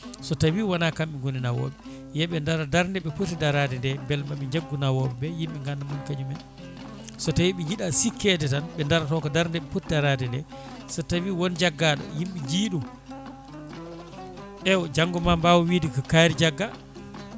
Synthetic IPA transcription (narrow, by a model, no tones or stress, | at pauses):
sɔtawiːwanakamɓiŋɡoninawɔ̰ːɓɛ | jɛɓɛndaɾadaɾndɛɓɛpotidaɾadɛndɛmbɛlmaɓɛɲd͡ʒaɡːunawɔɓɛbɛjimɓɛŋɡandamunkad͡ʒumɛn | sɔtajiɓid͡ʒiɗasikʰɛtɛtanɓɛndaɾatɔkɔdaɾndɛɓɛpotidaɾadɛndɛ̰ | sɔtawiwɔnd͡ʒaɡːaɗɔ̰jimɓid͡ʒiːɗu | ʔɛwd͡ʒaŋɡɔmambawɔwiːdikɔkaɾid͡ʒaɡːa